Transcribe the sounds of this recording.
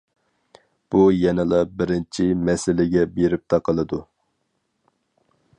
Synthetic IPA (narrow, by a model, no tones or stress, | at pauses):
b̥ujɛnɨlˠɑbɪɾɪnt͡ʃʰimɛsɪlɪɡʲɛbeɾɪp̚t̪ʰɑqəlˠɨd̪u